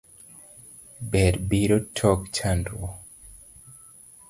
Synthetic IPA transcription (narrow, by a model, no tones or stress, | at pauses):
bɛɾbiɾotʰɔkt͡ʃʰandɾo